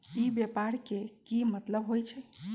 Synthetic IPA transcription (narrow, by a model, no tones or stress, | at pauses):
ibjepaɾkekimət̪ləbɦojt͡ʃʰɛ